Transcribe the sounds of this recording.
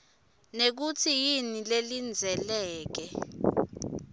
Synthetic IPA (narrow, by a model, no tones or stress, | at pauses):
nek̬utʰijinilelind͡zʱɛlɛːk̬ɛ